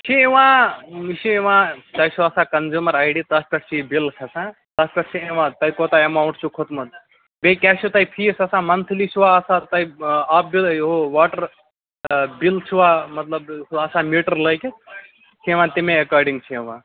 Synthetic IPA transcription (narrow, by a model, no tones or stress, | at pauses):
t͡ʃʰiiʋãːiʃiiʋãːt̪ɐjt͡ʃʰuɐsãːkɐnzumɐɾaːjɖit̪ɐspʲɐʈʰt͡ʃʰibilkʰɐsãː | t̪ɐspʲɐʈʰt͡ʃʰieʋãːt̪ɐikoːt̪aɐmaːwɳʈt͡ʃʰukʰʊt̪mɐt̪̚ | bekʲasʰut̪ɐjpʰiːsɐsãːmɐnt̪ʰlit͡ʃʰiʋaːɐsãt̪ɐiaːp̚bilɦoʋaːʈɐɾ | bilt͡ʃʰiʋaːmɐt̪lɐbɐsãːmiːʈɐɾlɐjk | t͡ʃʰieʋãːt̪imẽɐkaːɾɖĩŋɡt͡ʃʰiiʋãː